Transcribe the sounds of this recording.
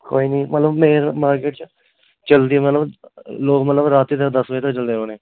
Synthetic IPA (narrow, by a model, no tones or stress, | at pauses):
koːiːniːmət̪ləbmeːɾmaːɾkeːʈ̚t͡ʃ | t͡ʃəld̪iːɛːmət̪ləbloːkmət̪ləbɾaːt̪ːiːt̪̬əkd̪əsʋet̪əkt͡ʃəld̪eːoːnẽː